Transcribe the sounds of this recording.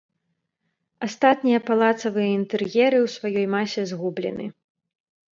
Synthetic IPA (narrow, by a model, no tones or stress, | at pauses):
ast̪at̪nʲijɐpalˠat̪sɐvɨjɐint̪ɛrjɛɾɨwsvajɔjmasʲɛzɣublʲɛ̰nɨ̰